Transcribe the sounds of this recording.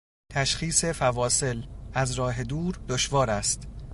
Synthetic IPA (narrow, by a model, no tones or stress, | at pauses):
t̪ʰæʃxiːse̞fævɒːse̞læzɾɒːɦe̞d̪uːɾd̪oʃvɒːɾæst̪